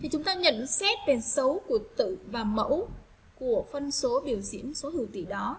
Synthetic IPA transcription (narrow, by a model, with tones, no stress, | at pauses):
t̪ʰi˨˩t͡ɕʊ˨˦ŋ͡mt̪aː˧ɲə̰˧˨nsɛ˦˥t̚ve˨˩sə˨˦wku˧˩ət̪ɨ̰˧˨vaː˨˩mə̰˧˥w | ku˧˩əfə˧nso˨˦ɓi˧˩əwzḭ˧˥ənso˨˦hɨ˧˩wt̪ḭ˧˩ɗɔ˨˦